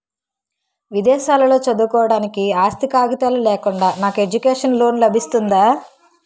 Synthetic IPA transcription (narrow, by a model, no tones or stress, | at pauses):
ʋid̪ɛːʃaːlɐlo̞ːt͡ʃɐd̪ukɔːʋɐɽaːnikiaːst̪ikaːɡit̪aːlulɛːkuɳɖaːnaːkue̞d͡ʒukeːʂɐnlo̞ːnlɐbʱist̪und̪aː